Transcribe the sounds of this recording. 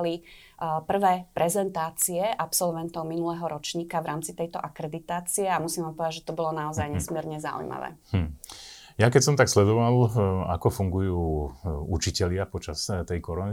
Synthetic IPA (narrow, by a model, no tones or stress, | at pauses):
li | pr̩ʋɛːpɾɛzɛnt̪aːt͡siɛʔapsɔlʋɛnt̪ɔʊminulɛɦɔɾɔt͡ʃɲiːkaʋɾaːmt͡sit̪ɛjt̪ɔʔakɾɛd̪it̪aːt͡siɛamusiːmʋaːmpɔʋɛd̪aʒɛt̪ɔbɔlɔnaɔzajɲɛsmɪɛɾɲɛzaṵjma̰ʋɛ̰ | jakɛcsɔmt̪akslɛd̪ɔʋala̰kɔfuŋɡujuːut͡ʃicɛlɪapɔt͡ʃast̪ɛjkɔɾɔni